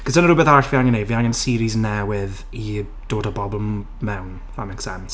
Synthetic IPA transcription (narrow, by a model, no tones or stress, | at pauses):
kʰəsdənəɾʊbɛθaɬviaŋɛnejviaŋɛnsiːɾiznɛwɪð | i | d̥oːdəbɔblˠm | mɛwn | famɛksɛms